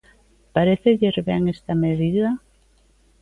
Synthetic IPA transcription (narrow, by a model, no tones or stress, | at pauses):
paɾeθeʎeɾβɛŋest̪ameðiða